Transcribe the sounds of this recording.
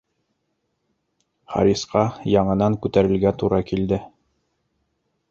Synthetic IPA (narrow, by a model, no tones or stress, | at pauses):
χɑ̰ɾʲisqɑjɑɴɤ̆nɑŋkʉt̪æɾɘ̆lɡæt̪uɾɑkild̪ɘ